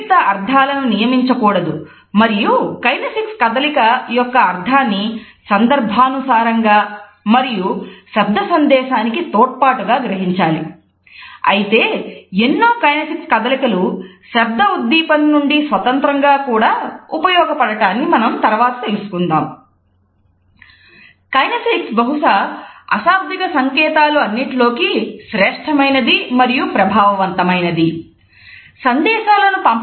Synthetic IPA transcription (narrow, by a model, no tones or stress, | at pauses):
t̪ɐɐɾd̪ʱaːlɐnunijɐmiɲt͡ʃɐkuːɽɐd̪u | mɐɾijukɐjnɐsikskɐd̪ɐlikɐjɔkːɐːɾd̪ʱaːnːi | sɐnd̪ɐɾbʱaːnusaːɾɐŋɡaː | mɐɾijuʃɛb̚d̪ʱɐsɐnd̪ɛːʃaːnikit̪ɔːʈ̚paːʈuɡaːɡɾɐɦiɲt͡ʃaːlḭ | ɐ̰jit̪e̞ːenːoːkɐjnɐsikskɐd̪ɐlikɐluʃɐb̚d̪ɐud̪ːiːpɐnːuɳɖisʋɐt̪ɐnt̪ɾɐŋɡaːkuːɽaːupɐjɔːɡɐpɐɽɐʈaːnːimɐnɐmt̪ɐɾʋaːt̪ɐ̥t̪elsu̥kund̪aːm | kɐjnɐfiksbɐɦuʂɐɐ̰ʃaːb̚d̪ʱikɐsɐŋkɛːt̪aːluɐnːiʈlo̞ːkiʃɾɛːʂʈʰɐmɐjnɐd̪imɐɾijupɾɐbʱaːʋɐʋɐnt̪ɐmɐjnɐd̪i | sɐnd̪ɛːʃaːlɐnupɐm